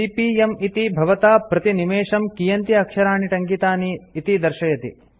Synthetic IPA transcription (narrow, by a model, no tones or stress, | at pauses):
ipiːemit̪ibʱɐʋɐt̪aːpɾɐt̪inimeːʂɐmkijɐnt̪iɐkʃɐɾaːɳiʈɐŋkit̪aːniːt̪id̪ɐɾʃɐjɐt̪ḭ